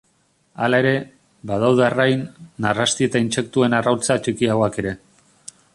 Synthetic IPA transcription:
alae̞ɾe̞ | bað̞awð̞earajnːarast̪ie̞t̪ainse̞kt̪ue̞narawlt͡sat͡ʃikiaɣoake̞ɾe̞

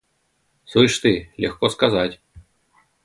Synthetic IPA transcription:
sujʂt̪ɨlʲexkoskazatʲ

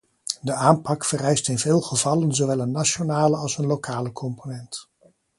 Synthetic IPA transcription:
dəaːmpɑkfərɛjstɪnvɪːlˠχəvɑlənzowʋɛlˠənːat͡ʃonaːləɑlˠsənlokʰaːləkʰɔmponɛnt

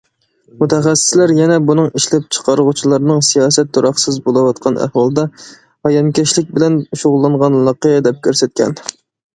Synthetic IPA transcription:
mut̪ʰɛχæsːɪ̥slæɾjɛnɛbunɨŋiʃlɛp̚t͡ʃʰə̥qʰɑɾəʁut͡ʃʰilˠɑɾnɨŋsijɑːsɛt̪ːoɾɑχsɨzbolˠɨwɑt̪qʰɑnæ̰hwɑlˠd̪ɑ | hɑjɑmkʲɛʃlɪk̚ʲbɪlɛnʃoʁʊlˠːɑɴʁɑnlˠɑqijɛd̪ɛp̚kʲʰøɾsɛt̪̚kʲɛ̰n

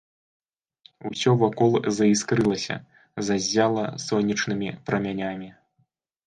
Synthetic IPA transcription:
usʲɔvakɔlˠzɐiskɾɨlˠɐsʲɐ̰ | zazʲːalˠɐsɔnʲːit͡ʂnɨmʲipɾʔɐmʲanʲamʲi

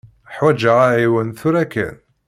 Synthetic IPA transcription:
ħwæd͡ʒəʁaʕiwənθʊɾækːæ̰n

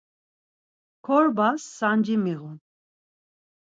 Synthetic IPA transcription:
kʰɔɾbasːand͡ʒimiɣun

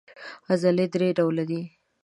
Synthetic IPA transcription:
azaled̪ɾeɖawlad̪i

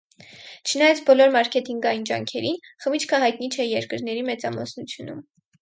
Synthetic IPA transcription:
t͡ʃʰənɑjɑt͡sʰbɔlɔɾmɑɾkʰɛt̪iŋɡɑjind͡ʒɑŋkʰɛɾinχəmit͡ʃʰkʰəɦɑjt̪nit͡ʃʰɛjɛɾkəɾnɛɾimɛt͡sɑmɔ̰snut͡sʰjunum

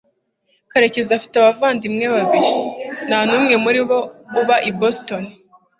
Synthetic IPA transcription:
kaɾe̞ce̞zafi̥taβavaːndimŋeβaβiʒenaːnuːmŋe̞muɾiβouβaʔibostoni

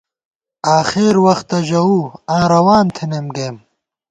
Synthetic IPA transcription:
aːxeːɾwɐxt̪ɐʑɐuãːɾɐwaːnt̪ʰinemɡeːm

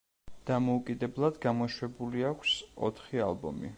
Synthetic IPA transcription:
d̪̥amɔukʼid̪ɛblˠad̪ɡamɔʃwɛbuliakʷʰsɔ̰t̪ʰχia̰lˠbɔ̰mḭ

